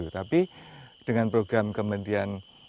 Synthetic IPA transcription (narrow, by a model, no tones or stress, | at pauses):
ut̪apid̥əŋanpɾoɡɾamkəmənt̪ian